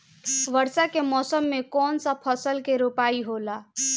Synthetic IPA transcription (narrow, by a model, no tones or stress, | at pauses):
ʋəɾsakemɔːsəmːekɔːnsəpʰəsəlkeɾupaiɦola